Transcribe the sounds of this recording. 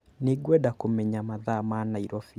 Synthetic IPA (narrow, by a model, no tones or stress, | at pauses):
neɡwɛdakomɛɲamaðamanaiɾɔfi